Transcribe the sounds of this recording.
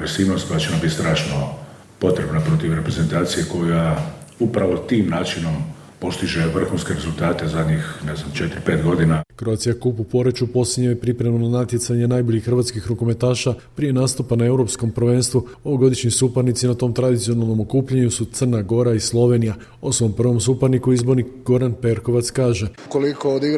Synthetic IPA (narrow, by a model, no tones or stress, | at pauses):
ɾesiːʋnost̪kojat͡ʃenambit̪st̪ɾaːʃno | po̞t̪ɾe̞bnapɾo̞t̪iʋɾe̞pɾezent̪aːt̪sije̞ko̞jaupɾaʋo̞t̪iːmnaːt͡ʃino̞m | po̞st̪iʒeʋr̩xunskeɾezulˠt̪aːt̪e̞zad̪ɲixneznamt͡ʃet̪ɾipe̞ːt̪ɡo̞d̪inakɾoaːt̪sijakupupo̞ɾet͡ʃupo̞siɲɲajepɾipɾemananat̪je̞t̪saɲenajboʎixːrʋat̪skixɾukome̞t̪aːʃapɾije̞naːst̪upanae̞wɾo̞psko̞mpr̩ʋe̞ːnst̪ʋu | o̞ʋoɡo̞d̪iʃɲisupaɾnit̪sinat̪o̞mt̪ɾad̪it̪sio̞nalˠno̞mo̞kuːpʎaɲusut̪sərnaɡo̞ɾaislˠo̞ʋe̞nija | osʋo̞mpr̩ʋo̞msupaɾnikuizbo̞ɾnikɡo̞ɾanpe̞ɾko̞ʋat̪skaːʒe̞ | kolikood̪iɡ